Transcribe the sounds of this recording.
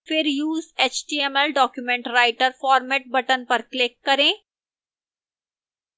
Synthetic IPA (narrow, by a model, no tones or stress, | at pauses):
fɪɾjuːzeːt͡ʃʈiːɛmɛlɖɔːkjumɛ̃ɳʈɾaːɪʈəɾfɔːɾmɛːʈ̚bɐʈənpɐɾklɪkːɐɾẽː